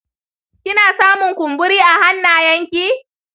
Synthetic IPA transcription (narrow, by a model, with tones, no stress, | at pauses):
kʲɪ˦naː˨saː˦mʊ˨ŋkʷʊ˨mbʊ˦ɾiː˦ʔa˨ha˦nːaː˨jɐ˦ŋkʲiː˦